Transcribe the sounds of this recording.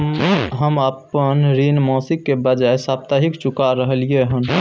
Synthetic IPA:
ɦəməpːənɾinmɔ̃sikːebəd͡ʒaesap̚t̪aɦikt͡ʃukaɾəɦəlijeɦən

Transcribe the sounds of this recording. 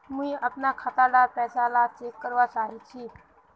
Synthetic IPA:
miːəpnakʰat̪adaɾpɛsalat͡ʃekːəɾʋat͡saɦit͡ʃi

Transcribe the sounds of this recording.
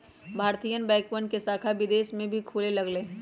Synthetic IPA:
bʱaːɾt̪ijənbɛ̃ːkwənkesaːkʰaʋɪd̪eːʃmẽbʱikʰuːlelɐɡlẽː

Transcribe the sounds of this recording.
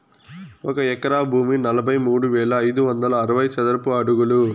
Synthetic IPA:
ɔkɐɛkɐɾaːbʱuːminɐlɐbʱɐjmuːɽuʋɛːɭɐːjd̪uʋɐnd̪ɐlɐːɾɐʋɐjt͡ʃɐd̪ɐɾɐpuɐɽuɡulu

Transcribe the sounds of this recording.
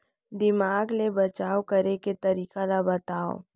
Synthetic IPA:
d̪ɪmaːɡlebɐt͡ʃaːokɐɾeket̪ɐɾiːkalabɐt̪aːo̰ː

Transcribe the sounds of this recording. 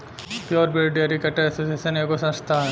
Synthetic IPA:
pjɔːɾbeːɖiaɾikɐʈəɾɛsoːsieːʃəneːkosɐ̃st̪ʰaɦɛ

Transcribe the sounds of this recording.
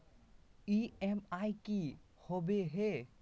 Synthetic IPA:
iemajki | hobeɦe

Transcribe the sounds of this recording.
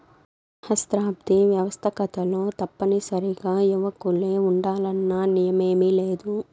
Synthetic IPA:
hɐst̪ɾaːb̚d̪iʋjɐʋɐst̪ʰɐkɐt̪ɐlo̞ːt̪ɐpːɐnisɐɾiɡaːjuʋɐkuleːuɳɖaːlɐnːɐnijɐmeːmileːd̪u

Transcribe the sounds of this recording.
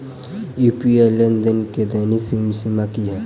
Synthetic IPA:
juːpielənd̪ənked̪aːniksimsimakiɦɛː

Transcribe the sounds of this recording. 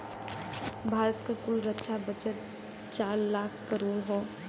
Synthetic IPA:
bʱaːɾət̪kakʊlɾətːʃʰabət͡ʃət̪̚ | t͡ʃaːɾlaːkʰkəɾoːɾɦoː

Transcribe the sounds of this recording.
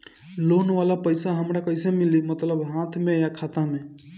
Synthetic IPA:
lonʋalapəɪsaɦəmɾakəɪsemilimət̪ləbɦãt̪ʰmejakʰat̪ãme

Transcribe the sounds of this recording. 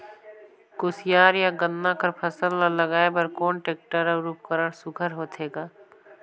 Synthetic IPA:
koːsɪjaːɾjaɡə̃nːakəɾpʰəsələləɡaːebəɾkoːnʈeːk̚ʈəɾəɾuːp̚kəɾəɽsʊkʰəɾɦoːt̪ʰeːɡaː

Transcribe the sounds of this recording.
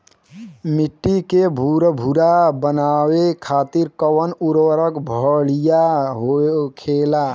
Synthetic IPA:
miʈːikebʱuɾbʱuɾabənawekʰaːt̪iɾkəwənuɾwəɾəkbʱəlijaɦokʰela

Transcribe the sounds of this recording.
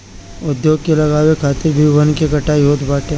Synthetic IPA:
ʊd̪joːɡ̚kelɐɣaːwekʰaːt̪ɪɾbʱiʋɐnkekɐʈaːiɦoːt̪baːʈẽ

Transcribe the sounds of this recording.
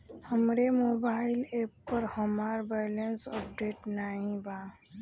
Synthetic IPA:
həmɾemobaɪlepːəɾhəmaɾbajlensəpɖeʈnaɦĩba

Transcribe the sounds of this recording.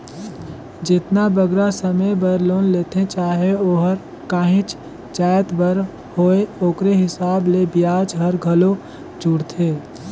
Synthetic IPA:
d͡ʒɪt̪nabəɡɾasəmebəɾloːnleːt̪ʰẽt͡ʃaːɦeoːɦəɾ | kaːɦĩt͡ʃ | t͡ʃaːjət̪bəɾ | hoːeoːkɾeɦɪsaːblebijaːd͡ʒɦəɾɡʱəlo | d͡ʒʱuɽt̪ʰeː

